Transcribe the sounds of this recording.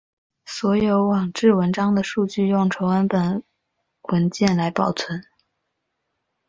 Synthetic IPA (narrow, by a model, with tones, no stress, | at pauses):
swɔ˧˥jo˧˥ʊwɑ˨˩ŋʈ͡ʂɻ̩˥˩wə˧˥nʈ͡ʂɑ˥ŋd̪ə˨ʂu˥˧t͡ɕy˥˧jʊ˥˩ŋʈ͡ʂʰo˧˥ʊa˥npə˨˩n | wə˧˥nt͡ɕjɛ˥˩nla˧˥ɪpɑ˨˩ʊt͡sʰwə˧˥n